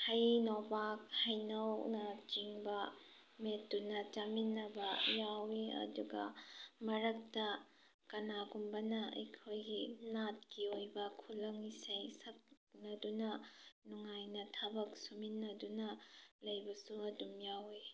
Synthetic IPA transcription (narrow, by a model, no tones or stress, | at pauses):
hɐjnobak̚hɐjnɐwnɐt͡ʃiŋbɐ | metːunɐt͡ʃɐminːɐbɐjawiɐ̰duɡɐ̰mɐɾɐk̚tɐ | kɐnaɡumbɐnɐɐ̰jkʰojɡinat̚kiojbɐkʰulɐŋisɐjsɐk̚ | nɐdunɐnuŋajnɐtʰɐbɐk̚suminːɐdunɐlɐjbɐsuɐdumjawe